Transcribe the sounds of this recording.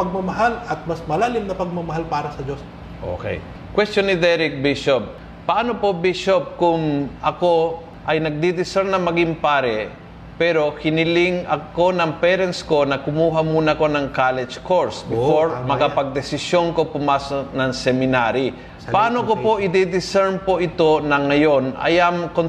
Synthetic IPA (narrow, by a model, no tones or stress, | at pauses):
pɐɡ̚mɐmɐɦalɐt̪̚mɐsmɐlaːlɪmnɐpɐɡ̚mɐmɐɦalpaːɾɐsɐd͡ʒos | ʔo̰kɛ̰j | kwɛst̪onːɪd̪ɛɾɪk̚biʃop̚ | pɐʔaːno̞po̞biʃop̚kʊŋʔɐko̞ | ʔɐjnɐɡ̚d̪id̪ɪsɛɾnɐŋmɐɡiŋpaːɾɛ | pɛɾo̞hɪnɪlɪŋɐkko̞nɐŋpɛɾɛnsko̞nɐkʊmuːɦɐmuːnɐko̞nɐŋkalɛd͡ʒkoɹsbɪfo̞ɹmɐkapɐɡ̚d̪ɛsɪsjo̞nko̞pʊmaːsonɐŋsɛmɪnaɾi | pɐʔaːnokopo̞ʔɪd̪ɛd̪ɪsɛɹnpo̞ʔɪt̪o̞nɐŋɐjo̞nʔɐ̰jɐŋkon